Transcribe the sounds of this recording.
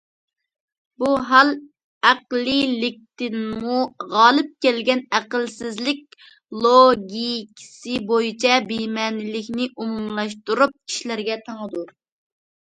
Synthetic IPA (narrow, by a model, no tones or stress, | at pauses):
buɦɑlˠ | æqlilɪk̚ʲt̪ɪnmuʁɑːlˠɨp̚kʲɛlɡʲɛnæqəlsɪzlɪk̚ʲ | lˠoɡʲikʲʰi̥sɪbojit͡ʃʰɛbimɛnɪlɪkʲnɪʔumumlˠɑʃ̬t̪uɾup̚kʲʰi̥ʃlæɾɡʲɛt̪ʰɑŋəd̪uɾ